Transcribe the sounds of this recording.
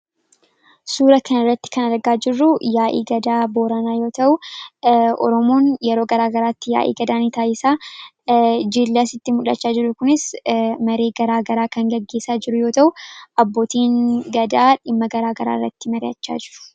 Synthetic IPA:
suːɾɐkɐnɪrːɐt̪ːɪ̥kɐnɐɾɡaːd͡ʒɪrːʊjaːʔḭːɡɐd̪aːboːɾɐnaːjo̞ːt̪ɐʔʊ | ʔɔ̰ɾɔmoːnjɛɾo̞ːɡɐɾaːɡɐɾaːt̪ːɪja̰ːʔḭːɡɐd̪aːnit̪aːjɪsaː | d͡ʒilːɐsɪt̪ːɪmʊᶑɐt͡ʃːaːd͡ʒɪɾʊkʊnɪsmɐɾe̞ːɡɐɾaːɡɐɾaːkɐŋɡɐɡːe̞ːsaːd͡ʒɪɾʊjo̞ːt̪ɐʔʊʔɐbːo̞ːt̪iːŋɡɐd̪aːᶑɪmːɐɡɐɾaːɡɐɾa̰ːɪrːɐ̰t̪ːɪmɐɾɪjɐ̰t͡ʃːa̰ːd͡ʒɪɾʊ̥

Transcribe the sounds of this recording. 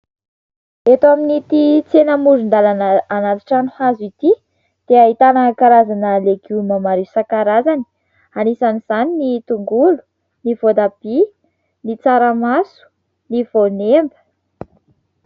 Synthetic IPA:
et̪oaminit̪it͡senəmuɾund̪alananat̪i̥ʈ͡ʂanuhazuit̪i | d̪̥eaɦit̪anakaɾazanəleɡumamaɾisakaɾazani̥ | anisaniz̥aninit̪uŋɡulu̥ | nivod̪ab̥i | nit͡saɾamasu̥ | nivonembə̥

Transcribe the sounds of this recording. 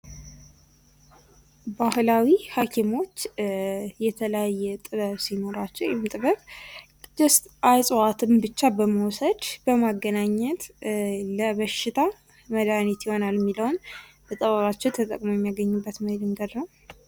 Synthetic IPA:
bahlawihakʰimo̞t͡ʃː | jɛt̪ʰələjajːɛt̪ʼɨβəβsino̞ɾat͡ʃːɛwjɛmːt̪ʼɨβəβʼ | d̪ɨst̪ʔasʼwat̪ʰɨmbɨt͡ʃːabəməwsəd̪b̥əmaɡːənaɲːɛt̪ləβəʃɪt̪ʰa | məd̪anit̪jiho̞nalɛmːiləwunbət̪ʼəβəβat͡ʃːɛwt̪ʰət̪ʼə̰kʼmojɛmːijaɡəɲːubːət̪məhed̪ɨŋɡəd̪nəw

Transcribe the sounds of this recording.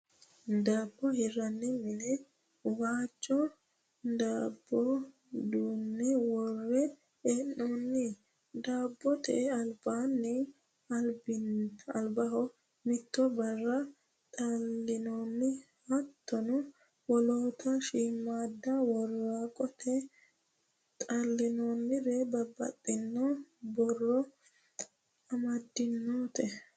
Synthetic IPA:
d̪aːbːɔhɪrːɐnːɪmɪnɛ | waːt͡ʃʼːɔ | d̪aːbːɔ | d̪uːnːɪwɔrːɛ | ɛnːoːnːɪ | d̪aːbːɔt̪ʰɛʔɛɐlbaːnːɪ | ɐlbɪɐlbɐɦɔ | mɪt̪ːɔbɐrːɐ | t̪ʼɐlːɪnoːnːɪ | ɐt̪ːɔnʊ | wɔloːt̪ʰɐʃiːmːaːd̪ːɐwɔrːaːkʼɔt̪ʰɛ | t̪ʼɐlːɪnoːnːɪɾɛbɐbːɐ̰t̪ʼːɪnːobɔrːɔ | ɐmɐd̪ːɪnːoːt̪ɛ

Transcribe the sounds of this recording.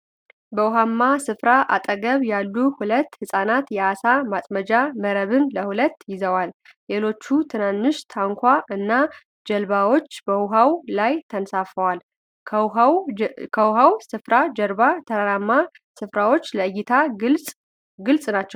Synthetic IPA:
bəwʊɦamːasɨfɾaʔa̰t̪ʼəɡəβjalːuhulət̪ːhɨsʼanat̪jɛʔasamasʼməd͡ʒaməɾəβɨnləhulət̪ːjɪzəwal | le̞lo̞t͡ʃːut̪ʰɨnanːɨʃt̪ʰaŋkʰʷaʔɨnːa | d͡ʒɛlβawo̞t͡ʃːbəʊɦawlajt̪ʰənsafəwal | kʰəwɦawsɨfɾad͡ʒəɾbat̪ʰəɾaɾamːa | sɨfɾawo̞t͡ʃːləɨɡit̪ʰaɡɨlsʼ | ɡɨlsʼnat͡ʃːɛw

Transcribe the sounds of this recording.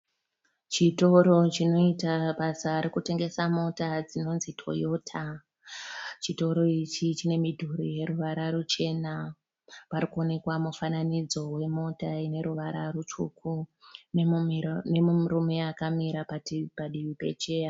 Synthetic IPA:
t͡ʃito̞ɾo̞t͡ʃino̞itaɓasaɾikute̞ŋɡe̞samo̞tad͡zino̞nzitʰo̞̰jo̞ːtʰa | t͡ʃito̞ɾo̞it͡ʃit͡ʃine̞midʱuɾije̞ɾuʋaɾaɾut͡ʃe̞na | paɾikuo̞ne̞kwamufananid͡zo̞we̞mo̞taine̞ɾuʋaɾa̰rut͡ʃukunene̞mumrumeakamiɾapatipaɗiʋipe̞̰t͡ʃe̞ːja

